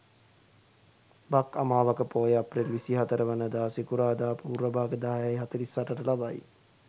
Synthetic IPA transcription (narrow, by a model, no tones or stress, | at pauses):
bakamaːʋakəpoːjaprelʋisiɦat̪əɾəʋənəd̪aːsikuɾaːd̪aːpuːɾəbaːɡəd̪aɦajajɦat̪əɾisaʈəʈəlabaj